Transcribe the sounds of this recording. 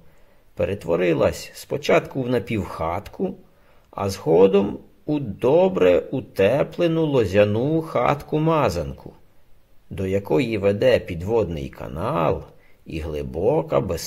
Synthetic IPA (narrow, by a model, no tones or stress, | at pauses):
peɾet̪ʋɔɾɪlˠɐsʲspɔt͡ʃɑt̪kʊwnɐpʲiwxɑt̪kʰʊ | ɐ̰zɦɔd̪ɔm | ud̪ɔbɾɛut̪ɛplˠenʊlˠɔzʲɐnujxɑ̰t̪kʊmɑzɐnkʰʊ | d̪ɔjɐkɔjiʋed̪ɛpʲid̪ʋɔd̪nɪ̰jkɐ̰nɑlˠḭɦlˠɪbɔkɐ̰bes